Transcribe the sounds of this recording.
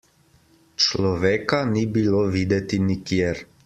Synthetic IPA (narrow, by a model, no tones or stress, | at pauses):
t͡ʃlɔʋeːkanibiloʋiːd̪ɛt̪inikjeɾ